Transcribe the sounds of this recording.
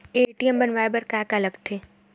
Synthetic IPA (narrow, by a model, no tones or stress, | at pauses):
eʈiəmbɐnʋaebəɾkaːkaləɡt̪ʰeː